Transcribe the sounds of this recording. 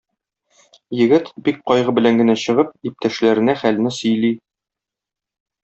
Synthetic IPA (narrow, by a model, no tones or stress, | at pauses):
jɘ̆ɡɘt̪bik̚qɒjʁɤbɘ̆læŋɡɘ̆næɕɤ̆ʁɤp̚ip̚t̪æʃlæɾɘ̆næχæl̆nɘsɵ̆jli